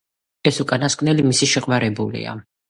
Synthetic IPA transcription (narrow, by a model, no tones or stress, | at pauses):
ɛsukʼanaskʼnɛlimisiʃɛqʼmaɾɛbulḭa̰